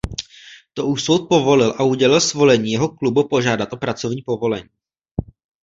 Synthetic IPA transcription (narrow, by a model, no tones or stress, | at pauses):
t̪o̞ʔuʃsowt̪̚po̞vo̞lɪlʔauɟɛlɪlsvo̞lɛɲiːjɛɦo̞klubupo̞ʒaːdat̪ʔo̞pɾat͡so̞vɲiːpo̞vo̞lɛɲiː